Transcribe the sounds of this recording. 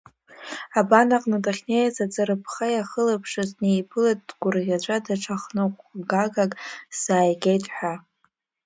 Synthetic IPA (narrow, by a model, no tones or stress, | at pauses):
abanaqʼnadaχʲnejat͡sad͡zɨɾɨpʰχajaχəlapʰʂɨznejpʰɨlat̚ʼdɡ̥ʷʊrʁʲat͡ʃʷʼadaʈ͡ʂʰaχnɨqʷʼɡaɡakʼz̥aːjɡʲejtʼħʷᶣa